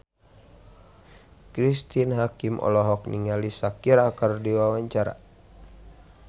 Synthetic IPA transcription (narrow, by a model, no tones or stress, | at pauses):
kɾist̪inɦakimʔɔ̰lɔɦɔk̚niŋalisakiɾakərdiwawaɲt͡ʃaɾa̰